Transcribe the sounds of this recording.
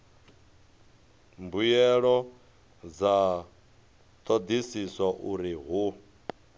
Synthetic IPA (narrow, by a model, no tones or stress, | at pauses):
mbujɛɺɔ | d͡za | t̪ʰod̪isisaʔuɾiɦu